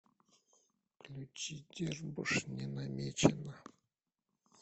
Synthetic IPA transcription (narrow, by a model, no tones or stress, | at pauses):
klʲut͡ɕid̪ʲerbɨ̰ʂnʲɪnamʲet͡ɕɪnə